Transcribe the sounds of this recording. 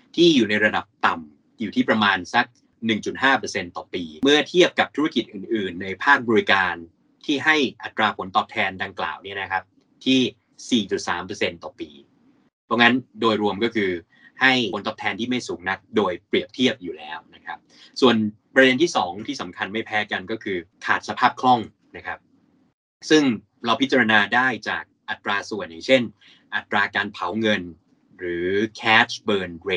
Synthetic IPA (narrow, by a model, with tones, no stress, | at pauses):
t̪ʰiː˥˩juː˨˩na˧jɾa˧da˨˩p̚t̪a˨˩m | juː˨˩t̪ʰiː˥˩pɾa˧maː˧nsa˦˥k̚ | nɯ˨˩ŋt͡ɕu˨˩t̪̚haː˥˩pɤː˧se˧nt̪ɔː˨˩piː˧mɯ˥˩ɐt̪ʰi˥˩əp̚ka˨˩p̚t̪ʰu˦˥a˥ki˨˩t̪̚ʔɯː˨˩nʔɯː˨˩nːa˧jpʰaː˥˩k̚bɔː˧ɾi˧kaː˧n | t̪ʰiː˥˩ɦa˥˩jʔa˨˩t̪ɾaː˧pʰo˩˦nt̪ɔː˨˩p̚t̪ʰɛː˧nda˧ŋkla̰ː˨˩wni˥˩ɐna˦˥kʰa˦˥p̚ | t̪ʰiː˥˩ | siː˨˩t͡ɕu˨˩t̪̚sa̰ː˩˦mpɤː˧se˧nt̪ɔː˨˩piː˧ | pʰɔ˦˥ŋa˦˥ndoː˧jɾu˧əmkɔ˥˩kʰɯː˧ | ha˥˩jʰo˨˦nt̪ʰɔ˦˥pt̪ʰɛː˧nt̪ʰiː˥˩ma˥˩jsuː˩˦ŋna˦˥k̪̚doː˧jpɾi˨˩əp̚t̪ʰi˦˥˩əp̚juː˨˩lɛː˦˥wna˦˥kʰɾa˦˥p̚ | su˨˩ən | pɾa˧de˧nt̪ʰiː˥˩sɔː˩˦ŋt̪ʰiː˥˩sa˩˦mkʰa˧nma˥˩jpʰɛː˦˥ka˧nkɔː˥˩kʰɯː˧kʰaː˨˩t̪̚sa˧pʰaː˥˩p̚kʰlɔ˥˩ŋ | na˦˥kʰa˦˥p̚ | sɯ˥˩ŋ | ɾa˧wpʰi˦˥t̚t͡ɕa˧ɾa˧naː˧daː˥˩jt͡ɕa̰ː˨˩k̚ʔa˨˩t̪ːɾaː˧su˨˩əna˨˩t͡ɕʰe˥˩n | ʔa˨˩t̪ːɾaː˧kaː˧npʰa˩˦wŋɤ˧n | ɾɯː˩˦kʰɛː˦˥t͡ɕʰbɤː˧nɾe˧